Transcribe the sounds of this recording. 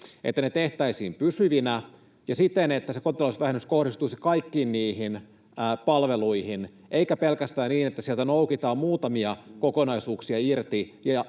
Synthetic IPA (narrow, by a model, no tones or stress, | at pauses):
ʔet̪ːænet̪eht̪æisiːmpysyʋinæ | jɑsit̪ːenet̪ːæsekot̪ilosʋæhenːysko̞hdist̪uisikɑikːiːnniːhinː | pɑlʋe̞luihin | ʔeikæpelkæst̪æːnniːnet̪ːæsielt̪ænoukit̪ɑːmmuːt̪ɑmiɑkokonɑisuːksiɑirt̪ijɑ